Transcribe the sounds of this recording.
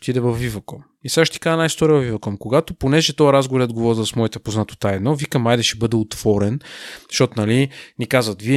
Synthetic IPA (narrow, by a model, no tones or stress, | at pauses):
t̪id̪ɛvɐfːivɐkɔm | isaʃt̪ɛ̥kaʒənajst̪ɔɾivɐvivɐkɔmkoɡat̪oponɛʒɛt̪ɔaɾazɡovɾad̪̚ɡovɔɾzəsmɔit̪ɛpoznat̪ʊ̥t̪aɛd̪nɔvikɐmajd̪ɛʃɛbɤd̪ɛot̪v̥ɔɾɛnʃtɔt̪onɐlinikazvət̪viɛ